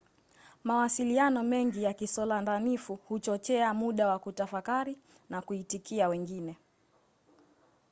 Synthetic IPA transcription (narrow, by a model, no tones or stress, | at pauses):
mawasilianɔmɛŋɡijakisɔlandanifuhut͡ʃɔt͡ʃɛamuɗawakutafakaɾi | nakuitikiawɛŋɡinɛ